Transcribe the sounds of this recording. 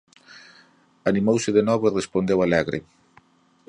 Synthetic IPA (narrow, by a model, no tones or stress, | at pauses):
animowsɪðenɔβoirespond̪ewalɛɣɾɪ̰